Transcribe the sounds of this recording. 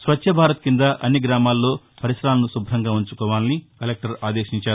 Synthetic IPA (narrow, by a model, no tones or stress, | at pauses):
sʋɐtːʃʰɐbʱaːɾɐt̪kind̪ɐʔɐ̰nːiɡɾaːmaːlːo̞ː | pɐɾisɾaːlɐnusubʱɾɐŋɡaːuɲt͡ʃukɔːʋaːnɐnikɐlek̚ʈɐɾaːd̪e̞ːʃiɲt͡ʃaːɾu